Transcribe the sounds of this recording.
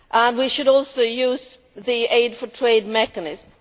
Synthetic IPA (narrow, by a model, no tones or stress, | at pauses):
ʔə̃nwiʃɨɾɔlˠsoʊjʉz | ðieɪdfə˞tʰɹ̥eɪd̚mɛkənɪzm